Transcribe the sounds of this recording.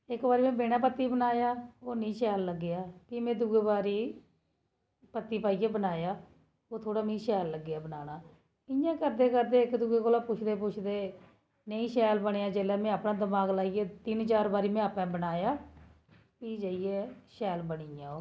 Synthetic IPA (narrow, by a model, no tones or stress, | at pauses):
ɪkbaːɾiːmɛ̃ːbeːɽãːpət̪ːiːbənaːjaːoːnĩːʃɛːlːəɡːejaːkiːmɛ̃ːd̪uːɡeːbaːɾiː | pət̪ːiːpaːiːeːbənaːjaː | oːt̪ʰoːɽaːmẽĩːʃɛːlːəɡːɪaːbənaːñaː | ɪjãːkəɾd̪eːkəɾd̪eːɪkd̪uːɡeːkoːlaːpʊt͡ʃʰd̪eːpʊt͡ʃʰd̪eː | neĩːʃɛːlbəɽ̃eːãːd͡ʒeːlɛːmɛ̃ːaːpnãːd̪əmaːɡlaːiɡeːt̪ɪnt͡ʃaːɾbaːɾiːmɛ̃ːapɛ̃ːbənaːjaː | piːd͡ʒaːiɛːʃɛːlbəɽiãːoː